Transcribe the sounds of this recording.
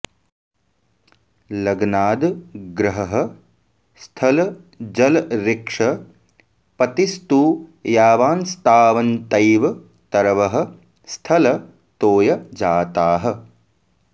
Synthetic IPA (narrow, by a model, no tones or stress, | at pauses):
lɐɡnaːd̪ɡɾɐɦɐɦɐ | st̪ʰɐlɐ | d͡ʒɐlɾɪkʂɐ | pɐt̪ist̪uːjaːʋaːnst̪aːʋɐnt̪ɐjʋɐ | t̪ɐɾɐʋɐɦɐ̆ | st̪ʰɐlɐ | t̪oːjɐd͡ʒaːt̪aːɦɐ